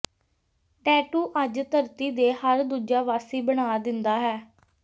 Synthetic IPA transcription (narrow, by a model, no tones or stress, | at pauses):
ʈɛːʈuːʔəd͡ʒt̪əɾt̪iːd̪eːhəɾd̪uːd͡ʒaːʋaːsiːbəɽ̃aːd̪ɪnd̪aːɦɛː